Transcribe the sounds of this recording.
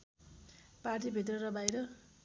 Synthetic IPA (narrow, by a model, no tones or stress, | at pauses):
parʈ̬ibʱit̪̬rʌrʌbajɾʌ